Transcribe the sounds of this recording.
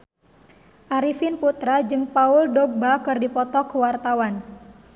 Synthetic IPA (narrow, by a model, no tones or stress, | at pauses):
ʔaɾifɪnput̪ɾad͡ʒɨŋpaʊldɔɡ̚bakɨrdipɔt̪ɔkəwart̪awan